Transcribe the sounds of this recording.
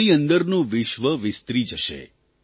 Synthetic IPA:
iənd̪əɾnũʋɪʃʋəʋɪst̪ɾid͡ʒəʃḛ

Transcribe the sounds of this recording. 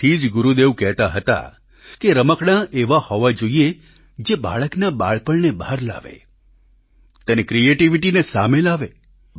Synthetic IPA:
id͡ʒɡʊɾud̪eʋkɛɦt̪aɦət̪a̰ | keɾəməkɳ̃aʔeʋahɔʋad͡ʒoie | d͡ʒeba̰ɭəknaba̰ɭpəɭnebɦaɾla̰ʋḛ | t̪enekɾieʈiʋiʈinesamelaʋe

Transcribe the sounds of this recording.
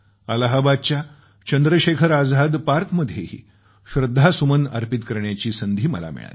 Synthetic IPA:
ələɦabad̪̚t͡ɕja | t͡ɕənd̪ɾəɕekʰəɾad͡zad̪paɾkməd̪ʱjehḭː | ɕɾəd̪ʱːasuməna̰ɾpit̪kəɾɳjat͡ɕiːsənd̪ʱiːmə̰la̰mḭɭa̰t̪

